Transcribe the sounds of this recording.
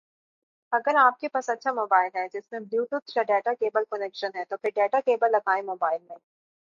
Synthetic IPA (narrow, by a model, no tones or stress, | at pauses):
ɐɡəɾaːp̚kepasɐtːʃʰamoːbaːɪlɦɛd͡ʒɪsmẽbljuːʈubt͡ʃaɖɛːʈakeːbəlkɔnekʃənɦɛt̪opɪɾɖeːʈakeːbəlːɐɡaːẽmoːbaːɪlmẽɦĩ